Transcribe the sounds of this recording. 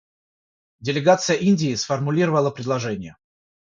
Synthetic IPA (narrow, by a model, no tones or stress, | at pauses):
dʲɪlʲɪɡat̪sɨjəʔinʲdʲɪːsfərmʊlʲiɾəvəlˠəpɾʲɪd̪lˠɐʐɛnʲɪjə